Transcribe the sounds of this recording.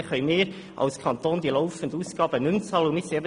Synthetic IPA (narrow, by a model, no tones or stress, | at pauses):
χœʏmɪːɾ | ʔɑ̰lskʰɑnt̪oːnd̪iəlɔʊfən̩d̪əuːsɡ̥ɑːbənʉmt͡sɑːlʊmɪsɛbə